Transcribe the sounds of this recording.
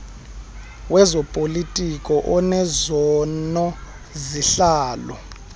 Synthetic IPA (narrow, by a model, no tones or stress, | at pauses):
wɛzɔpʼolitʼikʼɔʔɔnɛzɔnɔ | ziɬaːlɔ̰